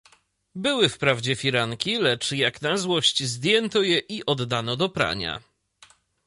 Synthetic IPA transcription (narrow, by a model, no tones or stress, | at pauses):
bɘwɘfpɾavd͡ʑɛfʲiɾaŋkʲilɛt͡ʂjaknazwɔɕt͡ɕzd̪ʲjɛnt̪ɔjɛʔiʔɔd̪ːanɔd̪ɔpɾa̰ɲa̰